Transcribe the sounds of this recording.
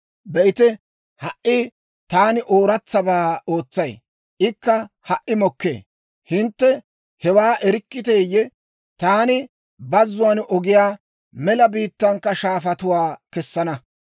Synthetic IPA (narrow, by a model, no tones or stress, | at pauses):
bɛʔɪt̪ɛ | hɐʔʔːɪ | t̪aːnɪʔo̞ːɾɐt͡sːɐbaːoːt͡sːɐj | ʔɪkːɐ | hɐʔːɪmɔkːḛː | hɪnt̪ːɛ | hɛwaːʔɛɾɪkːɪt̪eːjːɛ | t̪aːnɪ | bɐzːʊwɐnɔɡɪjaː | mɛlɐbiːt̪ːɐŋkːɐʃaːfɐt̪ʊwaːkɛsːɐnɐ